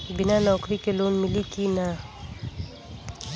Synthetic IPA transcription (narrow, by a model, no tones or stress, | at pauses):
bɪnanɔːkɾikeloːnmɪlikina